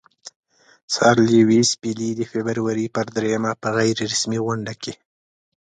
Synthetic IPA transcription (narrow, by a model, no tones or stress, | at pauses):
sɑɾliwispilid̪əfebəɾwaɾipəɾd̪ɾejamapəɣajɾeɾasmiɣʊɳɖake